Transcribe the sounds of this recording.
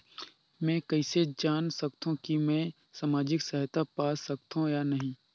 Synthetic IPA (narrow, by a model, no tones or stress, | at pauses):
mɛ̃ːkɐised͡ʒaːnsɐk̚t̪ʰũkimɛ̃ː | saːmaːd͡ʒɪksɐɦt̪apaːsɐk̚t̪ʰũjanɐɦĩː